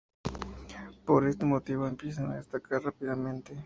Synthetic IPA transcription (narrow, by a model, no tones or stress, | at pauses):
poɾest̪emot̪iβoempjesaŋaðest̪akʰaɾrapiðamẽnt̪e